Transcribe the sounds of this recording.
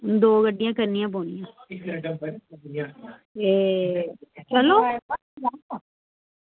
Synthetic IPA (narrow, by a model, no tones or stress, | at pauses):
d̪oːɡəɖːijãːkəɾnijãːp̬oːnijãː | eː | t͡ʃəloː